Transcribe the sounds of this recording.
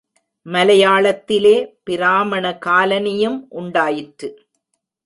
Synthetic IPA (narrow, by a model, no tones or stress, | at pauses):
mɐlɐjaːɭɐt̪ːɪleːpɪɾaːmɐɳɐkaːlɐnɪjɯmʔʊɳɖaːjɪʈɾɯ